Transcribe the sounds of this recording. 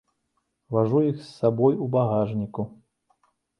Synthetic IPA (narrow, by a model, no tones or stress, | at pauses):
vaʐujixsːabɔjubaɣaʐnʲiku